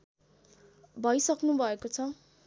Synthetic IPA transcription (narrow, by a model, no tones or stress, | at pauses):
bʱʌjsʌknubʱʌekot͡sʰʌ